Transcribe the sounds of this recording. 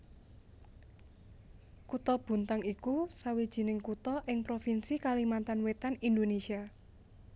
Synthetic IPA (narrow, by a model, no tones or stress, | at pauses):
kut̪ɔb̥ṳnt̪aŋikusawid̥ʒ̥i̤nɪŋkut̪ɔʔɪŋpɾofinsikalimant̪anwet̪anind̪onesia